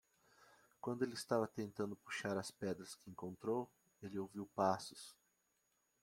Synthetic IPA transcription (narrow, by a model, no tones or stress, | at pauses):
kwɐ̃nd̪ʊelɪɪst̪avɐt̪ẽnt̪ɐ̃nd̪ʊpuʃaɾɐspɛd̪ɾɐskɪẽŋkõnt̪ɾow | elɪowviwpasʊ̥s